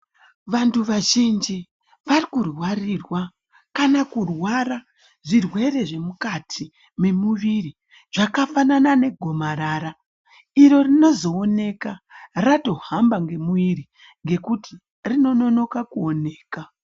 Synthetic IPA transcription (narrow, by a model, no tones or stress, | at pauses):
ʋantʰuʋaʒind͡ʒi | ʋarikurwarirwa | kanakurwaɾa | ʐirwe̞re̞ʐe̞mukatʰi | me̞muʋiri | ʐakafananane̞ɡʱo̞maɾaːɾa | iɾo̞rino̞zo̞ːne̞karato̞hambaŋɡe̞muiɾi | ŋɡe̞kuti̥ | rino̞no̞no̞kakuo̞ne̞ːka